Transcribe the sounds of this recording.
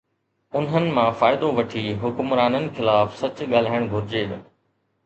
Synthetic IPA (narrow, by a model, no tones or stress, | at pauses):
ʊnənɪ̆mãfaːɪd̪oʋɐʈʰiːɦʊkʊmɾaːnənɪ̆xɪlaːfsɐt͡ɕɠaːl̤aːɪɽ̃ɡʱʊɾɪd͡ʑeːɗ